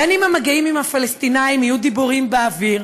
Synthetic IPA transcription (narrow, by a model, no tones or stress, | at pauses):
animamaɡeimimafalest̪inaimijud̪ibuʁimbeaviʁ